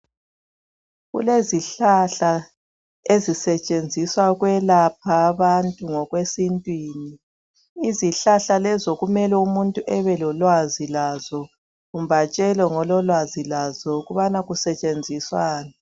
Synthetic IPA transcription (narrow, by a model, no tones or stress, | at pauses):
ɣṵleziɬaɬa | ezisɛt͡ʃʼend͡zʱiswaɣwɛlap̚ʰaːβantʼuŋɔɣwesintʼwiːniː | ziɬaɬalɛzɔɣumɛlɛumuntʼuʔɛβɛlɔlwazilazɔ | ɣum̩bat͡ʃʼɛlɔŋɔlɔlwazilazɔuɣuβanaɣusɛt͡ʃʼend͡zʱiswaːna